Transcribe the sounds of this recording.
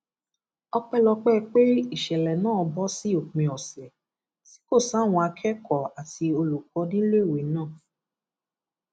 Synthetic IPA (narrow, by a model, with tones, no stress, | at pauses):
ɔ˧k͡pɛ˦lɔ˧k͡pɛ˦˧k͡pe˦i˦˨ʃɛ˨lɛ˨nãː˦˨ɔ˧bɔ˦si˦o˦˨k͡pĩ˧˨ɔ˨sɛ˨ | si̥˨˦ko˦˨sa˨˦˨w̃ɔ̃˧a˧kʰɛ˦kɔ˨a˨ti˧o˧lu˨kɔ˨˧nĩ˦lo˦i˦˨we˨˦nãː˦˨